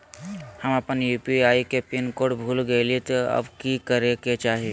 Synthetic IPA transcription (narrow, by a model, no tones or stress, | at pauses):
həməpənjuːpiaːjkepinkoɽbʱulɡəjlit̪əə̰bkikəɾeket͡ʃaːɦe